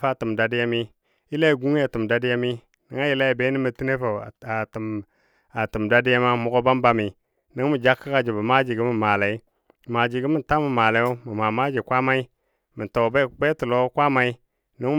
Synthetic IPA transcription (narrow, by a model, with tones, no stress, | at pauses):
fa˦˨tu˨mda˨di˦ja˦mi˦ | i˦la˦˨ɡu˦ŋ˦a˨ti˨m˨da˦di˦ja˦mi˦ | ni˨ŋa˦ji˨la˦i˨be˦ni˦mi˨ti˦ne˦fa˨a˨tm | a˨ti˨mda˦di˦ja˦ma˦mu˨˦ɡo˦ba˦mba˦mi˨ | ni˦ŋmi˨d͡ʒa˦kːa˦ka˦˨d͡ʒi˨ba˨ma˦d͡ʒi˨ɡi˦mi˦˨ma˨la˨i˦˨ | ma˨d͡ʒi˨ɡi˦mi˦nta˦mi˨ma˨la˨jo˦mi˨ma˨ma˦d͡ʒi˨kʷa˦ma˦i˦ | mi˨nto˨be˦˨k͡pe˦tu˨lo˦kʷa˦ma˦i˦ | ni˦ŋ